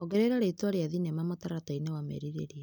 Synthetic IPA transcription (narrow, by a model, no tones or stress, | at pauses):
oɡɛɾeɾaɾeitwaɾeaðinɛmamataɾatainewamɛ̰ɾiɾḛɾiɛ